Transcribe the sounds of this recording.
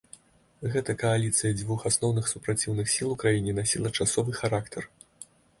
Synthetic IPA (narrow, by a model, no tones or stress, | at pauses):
ɣɛt̪ɐkɐalʲit̪sɨjɐd͡zʲvuxasnɔwnɨxsupɾat͡sʲiwnɨxsʲilˠukɾajinʲinasʲilˠɐt͡ʂasɔvɨxaɾakt̪ɐr